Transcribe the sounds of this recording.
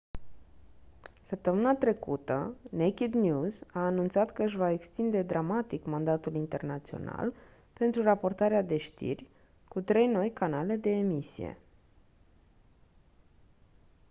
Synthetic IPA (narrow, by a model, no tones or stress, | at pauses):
səp̚t̪əmɨnat̪ɾe̞kut̪ə̰nekʲid̪njuzaːnunt̪sat̪kəɨʃvae̞kst̪ind̪e̞d̪ɾamat̪ikmand̪at̪ulint̪e̞rnat̪sio̞̰na̰l | pe̞nt̪ɾurapo̞rt̪aɾead̪e̞ʃt̪ḭrʲ | kut̪ɾe̞jno̞jkanale̞d̪e̞ːmisije̞̰